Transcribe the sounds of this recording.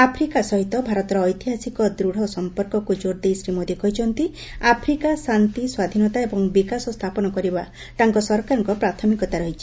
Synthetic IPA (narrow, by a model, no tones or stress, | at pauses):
apʰɾikasɔɦit̪ɔbʱaɾɔt̪ɔɾɔːjt̪iɦasikɔd̪ɾuɽ̤ɔsɔmpɔɾkɔkud͡ʒoɾd̪ejsɾimod̪ikɔɦit͡ʃʰɔnt̪i | apʰɾikasant̪iswad̪ʱinɔt̪aebɔŋbikasɔst̪ʰapɔnɔkɔɾiba | t̪aŋkɔsɔɾkaɾɔŋkɔpɾat̪ʰɔmikɔt̪aɾɔɦit͡ʃʰi̥